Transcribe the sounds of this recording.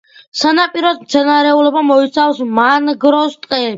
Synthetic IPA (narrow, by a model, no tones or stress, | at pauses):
sanapʼiɾɔd̪mt̪sʰɛnaɾɛulɔbamɔit̪sʰafsmanɡɾɔst̪ʼqʼɛ